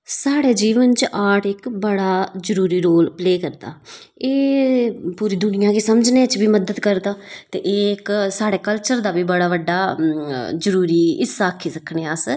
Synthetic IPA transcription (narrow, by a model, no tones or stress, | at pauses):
saːɽeːd͡ʒiːʋənt͡ʃʔaːʈɪkbəɽaːzəɾuːɾiːɾoːlpleːkəɾd̪a̰ː | eː | puːɾiːd̪ʊnɪjãːkeːsəmd͡ʒneːət͡ʃbiːməd̪əd̪kəɾd̪aːt̪ḛːʔeːɪksaːɽeːkəlt͡ʃəɾd̪aːbiːbəɽaːʋəɖːaː | zəɾuːɾiːɪsːaːkʰːiːsəkʰːɳeːas